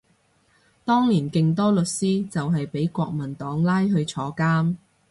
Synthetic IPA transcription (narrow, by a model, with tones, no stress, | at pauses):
t̪ɔː˥ŋniː˨˩nkɪ˨˧ŋt̪ɔː˥lɵ˨t̚siː˥t͡sɐ˨wɦɐ˨jpe˨˥jkʷɔː˧k̚mɐ˨˩nt̪ɔː˨˥ŋlaː˥jɦɵ˧ɥt͡ʃʰɔː˨˧kaː˥m